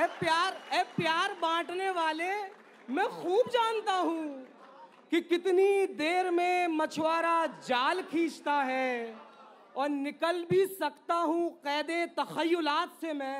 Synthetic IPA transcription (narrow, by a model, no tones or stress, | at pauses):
ɛːpjaːɾɛːpjaːɾbãːʈneʋaːle | mɛ̃xuːbd͡ʒaːnt̪aɦũ | kikɪt̪nid̪eːɾmẽmɐt͡ʃʰʋaːɾad͡ʒaːlkʰĩːt͡ʃt̪aɦɛː | ɔːɾnɪkəlbʱisɐkt̪aɦũqɛːd̪et̪ɐxəjːʊlaːt̪semɛ̃ː